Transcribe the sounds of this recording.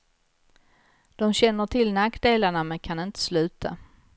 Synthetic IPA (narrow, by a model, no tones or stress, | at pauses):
d̪̥ɔmɕɛnːəʈʰɪlnakːd̪eːlaɳamɛnkʰanɪnt̪ə̥slʉ̟ːt̪ʰa̰